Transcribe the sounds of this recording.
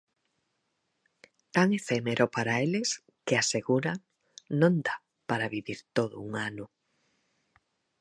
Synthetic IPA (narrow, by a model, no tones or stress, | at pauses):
t̪aŋefemeɾʔopaɾaeles | keaseɣuɾaŋ | nõnd̪a | paɾaβiβiɾt̪oðʊuŋanʊ